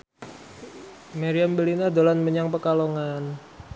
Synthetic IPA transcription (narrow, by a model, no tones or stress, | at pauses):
maɾiambəlinad̪olanməɲaŋpəkaloŋan